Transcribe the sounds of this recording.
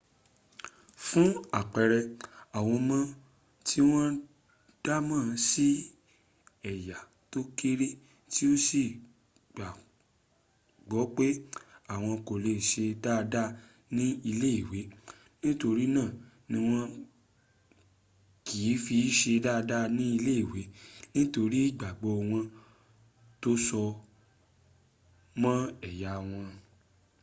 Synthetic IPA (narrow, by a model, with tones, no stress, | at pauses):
fũ˦a˦˨k͡pɛ˨ɾɛ˧a˨w̃ɔ̃˧mã˦ | tʰi˦w̃ɔ̃˦ | d̥a˦mã˦˨si˦ | ɛ˨ja˨ | to˦ke˦ɾe˦ | ti˦o˦si˨ | ɡ͡ba˨ | ɡ͡bɔ˨˦k͡pe˦a˦˨w̃ɔ̃˧ko˨le˨ʃe˧da˦˧da˦ | nĩ˦i˧le˦i˦˨we˨˦ | nĩ˦to˧ɾi˦nãː˦˨ | nĩ˧˦w̃ɔ̃˧ | kiː˨˦fi˧˦ʃe˧da˦˧da˦nĩ˦i˧le˦i˦˨we˨˦nĩ˦to˧ɾi˦i˦˨ɡ͡ba˨ɡ͡bɔ˨˦˧w̃ɔ̃˧ | to˦sɔ˧ | mã˦ɛ˨ja˨w̃ɔ̃˧